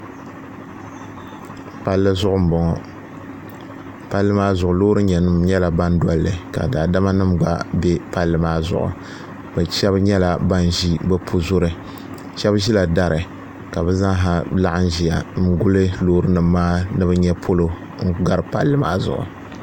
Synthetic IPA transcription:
pa˦lːɨ˦zʊ˦ʔʊ˦m̩˨bɔ˨ŋɔ˨ | pa˦lːɨ˦maː˦zʊ˨ʔʊ˨loː˦ɾɨ˦ɲɛ˨nɨ˦mɲɛ˦la˨ba˦n˦dɔ˨lːɨ˨ka̰˨daː˨da˦ma˦nɨ˦mɡ͡ba̰˦bɛ˦pa˦lːɨ˨maː˦zʊ̰˨ʔʊ̰˨ | bɛ˨ʃɛ˦bɲɛ˦la˨ba˦n˨ʒi˦bɛ˦pʰu˦zʊ˦ɾɨ˨ | ʃɛ˦bʒi˦la˨da˦ɾɨ˨ | ka˨bɛ˦za˦ŋɦa˦la˦ʔa˦n˦ʒi˨ja˨n̩˨˦ɡʊ˦lɨ˦loː˦ɾɨ˦nɨ˨mːaː˦nɨ˦bɨ˦ɲɛ˦pʰo˦lo˨ | ŋ̩˦ɡa˦ɾɨ˨pa˦lːɨ˦ma̰ː˦zʊ̰˨ʔʊ̰˨

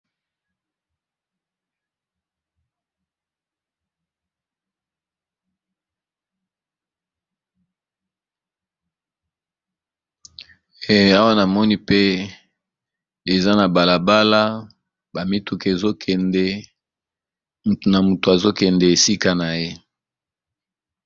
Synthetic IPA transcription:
e˨a˦wa˦na˨mɔ˦ni˦pe˦ | e˨za˦na˨ba˨la˨ba˦la˦ | ba˨mi˦tu˨ke˨e˨zo˦kʰɛ˨ndɛ˦ | mu˨to˨na˨mu˨to˨a˨zo˦kɛ˨ndɛ˨e˨si˦ka˦na˨je˦

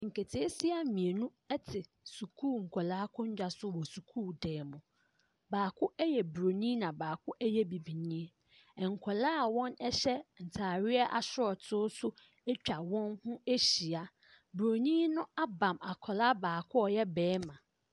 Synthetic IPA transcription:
ŋ̩˨kʰe˨tʰi˨e˦sɪ˦a˨mĩ˨e˨nũ˦ | ɛ˦tʰɪ˨ | su˨kʰuː˦˨ŋ̩˨kʷʰɔ˨laː˦kʰʊ̃˦ɲ˦d͡ʑᶣa˨sʊ˦wɔ˨su˨kʰuː˦˨dɛː˨mʊ̃˨ | baː˨kʰʊ˦ʔɛ˦jɛ˨bu˨ɾo˨ɲĩ˦nã˨baː˨kʰʊ˦ʔæ˦jɛ˦bi˨bi˨ɲĩ˦e˦ | ɛ˨ŋ̩˨kʷʰɔ˨laː˦˨wɔ̃˦nɛ˦ɕɛ˦n̩˨tʰaː˨ɾɪ˦ɛ˦ʔa̰˨sʊ˦ɔ˨tʰʊː˦sʊ˦ | e˦t͡ɕᶣa˨wɔ̃˦nhʊ̃˦e˦ɕi˨a˦ | bɾo˨ɲĩ˦nʊ̃˦a˦bã˨ma˨kʰɔ˨la˦baː˨kʰʊ˦ɔ˨jɛ˦bɛː˨˦mã˨

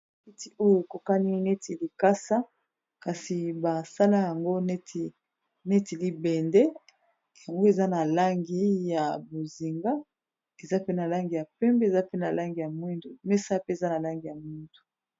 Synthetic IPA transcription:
e˦ti˨o˦jo˦e˨ko˨ka˦ni˦ne˦ti˨li˨ka˦sa˦ | ka˨si˨ba˨sa˦la˦ja˨ŋɡo˦ne˦ti˨ | ne˦ti˨li˦bɛ˨ndɛ˦ | ja˨ŋɡo˦e˨za˦na˨la˦ŋɡi˦ja˨bo˨zi˨ŋɡa˦ | e˨za˦pe˦na˨la˦ŋɡi˨ja˨pɛ˦mbe˨za˦pe˦na˨la˦ŋɡi˨ja˨mwi˦ndo˨me˦sa˦pe˦e˨za˦na˨la˦ŋɡi˨ja˨mwi˦ndo̥˨

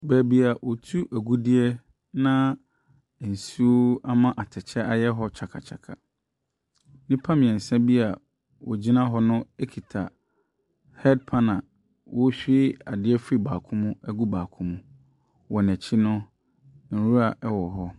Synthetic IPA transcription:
bɛ˨bi˦a˨wʔɔ˨tʰu˦ʔæ˨ɡu˦dɪ˦ɛ˦ | nã˦˨ | n̩˨su˦o˦a˦mã˦ʔa˨tʰɛ˨t͡ɕʰɛ˦a˦jɛ˦ɦɔ˦t͡ɕʰa˨kʰa̰˨t͡ɕʰa̰˨kʰa̰˨ | nĩ˦pʰã˦mɪ̃˨ɛ̃˨sɛ̃˦bi˦a˨ | wʔɔ̰˨d͡ʑi˦nã˦ɦɔ˦nʊ̃˦e˦kʰi˨tʰa˨ | hɛ˦d̚pʰã˦nã˨ | wʔɔ˦ɕᶣɪ˦a˨dɪ˦ɛ˦fɾi˦baː˨kʰʊ̃˦mʊ̃˦æ˦ɡu˦baː˨kʰʊ̃˦mũ˦ | wɔ˨nɛ̃˨t͡ɕʰi˦nʊ̃˦ | n̩˨ɾu˦a˨ʔɛ˦wɔ˨ɦɔ˦

